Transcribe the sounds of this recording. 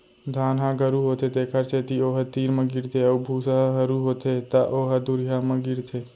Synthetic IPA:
d̪ʱaːnɦãɡəɾuɦot̪ʰet̪ekʰəɾt͡ʃet̪ioɦət̪iːɾməɡiɾt̪ʰeəubʱusaɦəɾuɦot̪ʰet̪aʔoːɦad̪uɾiɦaməɡiɾt̪ʰeː

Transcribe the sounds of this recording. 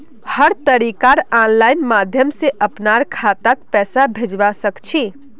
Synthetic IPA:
həɾt̪əɾikaɾanlajnmad̪ʱjəmseʔəpnaɾkʰat̪at̪pɛsabʱed͡ʒbasəkt͡ʃʰi

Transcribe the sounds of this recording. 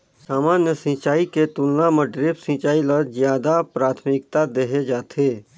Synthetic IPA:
saːmaːnjəsĩːt͡ʃaːiket̪ʊlnaməɖɾɪbsĩːt͡ʃaːiləzjaːd̪apɾaːt̪ʰmɪkt̪ad̪eɦed͡ʒaːt̪ʰeː

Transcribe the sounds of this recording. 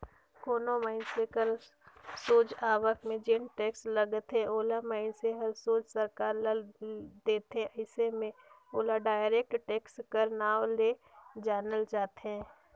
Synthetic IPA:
koːnomaɪnsekəɾ | soːd͡ʒaːʋəkmẽd͡ʒɪnʈeːksləɡət̪ɦɛ̃ʔoːlamaːɪnseɦəlsoːd͡ʒsəɾkaːɾləd̪eːt̪ẽʔəɪsemẽ | oːlaɖaːɪɾeːk̚ʈʈeːkskəɾnaːle | d͡ʒaːnəld͡ʒaːt̪eɦɛ̃ː

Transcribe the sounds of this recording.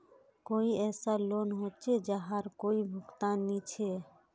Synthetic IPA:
koːiɛːsaloːnɦoːt͡ʃed͡ʒaɦaɾkoːibʱʊkt̪aːnːit͡ʃʰe

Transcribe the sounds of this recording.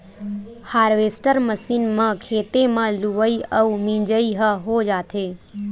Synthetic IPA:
haːɾʋesʈəɾməsinmãkʰeːt̪emãluʋəiəumĩd͡ʒəiɦəɦod͡ʒaːt̪ʰe

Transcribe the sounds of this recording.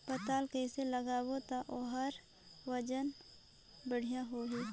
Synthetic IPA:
pət̪aːlkəɪseləɡaːwot̪aʔoɦəɾ | wəd͡ʒən | bəɽ̤ijãɦoɦi

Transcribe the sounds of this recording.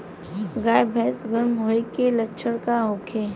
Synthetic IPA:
ɡaːjbʱɛsɡəɾmɦoːekelətːʃʰəɽkaɦoːkʰeː

